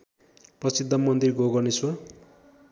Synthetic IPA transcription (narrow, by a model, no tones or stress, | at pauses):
prʌsid̪ʱːʌmʌnd̪irɡoɡʌniswa